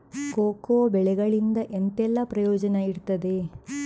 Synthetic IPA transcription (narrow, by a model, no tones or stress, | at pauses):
koːkoːbɛɭɛɡɐɭind̪ɐʔent̪ɛlːɐpɾɐjoːd͡ʒɐnɐiɾt̪ɐd̪e̞